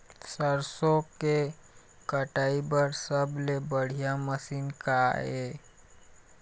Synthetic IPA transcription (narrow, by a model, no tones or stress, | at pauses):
səɾsõke | kəʈaːibəɾsəblebəɽ̤ijaməsiːnkae